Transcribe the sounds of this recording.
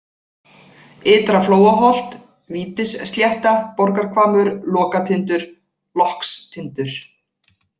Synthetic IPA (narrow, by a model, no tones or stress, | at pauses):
ɪːt̪ɾafloːwaɦɔl̥t̪ | viːt̪ɪsst̪ljɛht̪apɔɾkaɾ̥kʰvaːmʏɾlɔːkat̪ʰɪnt̪ʏɾ̥ | lɔhkst̪ʰɪnt̪ʏɾ̥